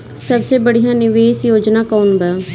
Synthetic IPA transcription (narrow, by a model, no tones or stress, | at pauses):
səbseːbəɽijãːnɪʋeːsjoːd͡ʒnaːkəːʊnbɛː